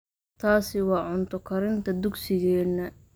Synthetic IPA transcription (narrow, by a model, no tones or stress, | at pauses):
t̪ʰaːsɪwɑːʕʊnt̪ʰʊkʰɐɾɪnt̪ʰɐd̪ʊɡsɪɣɛːnːɐ